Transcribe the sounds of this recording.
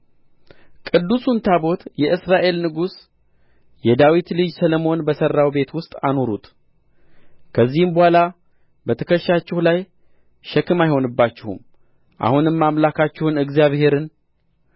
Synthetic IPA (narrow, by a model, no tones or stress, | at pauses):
kʼɨd̪ːusunt̪ʰaβo̞t̪jɛʔɨsɾaʔe̞lnɨɡus | jɛd̪awit̪lɨd͡ʒsəlomo̞nbəsərːawbe̞t̪wʊst̪ʼano̞ɾut̪ʼ | kʰəzːihɨmbəhala | bət̪ʰəkʰəʃːat͡ʃːɪhulaj | ʃɛkɨmajho̞nɨbːat͡ʃːɪhṵm | ʔa̰hunɨmːamlakʰat͡ʃːɪhɨnɨɡzijaβhe̞ɾɨn